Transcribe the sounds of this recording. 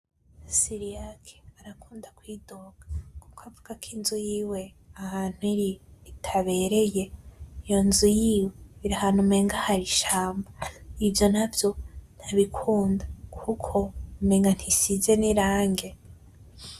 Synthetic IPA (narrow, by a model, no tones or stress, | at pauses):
siɾiakʰe̥aɾakʰuːndakwiːdo̞ɡḁkukavuɡakʰinzujiːwe̞ | ahaːn̥huiɾiːtʰaβe̞ːɾe̞je̞ijo̞nzujiːweβiɾahan̥umeːŋɡahaɾiʃaːmbaivjo̞navjo̞n̥aβikʰuːndakʰukʰo̞meːŋɡan̥hisize̞niɾaːŋɡe̞